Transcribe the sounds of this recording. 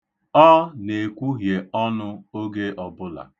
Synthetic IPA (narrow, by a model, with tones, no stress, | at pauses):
ɔ˦ne˨kʷu˦ɦje˨ɔ˦nʊ˦o˦ɡe˦ʔɔ˨bʊ˦la̰˨